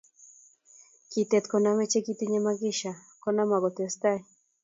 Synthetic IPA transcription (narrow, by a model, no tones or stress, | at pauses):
kit̪et̪konamet͡ʃekit̪iɲemaɣiʃakonamaɣot̪est̪aj